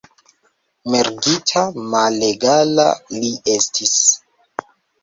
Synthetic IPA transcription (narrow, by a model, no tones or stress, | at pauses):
me̞ɾɡitʰamaleɡala̰liʔe̞stʰis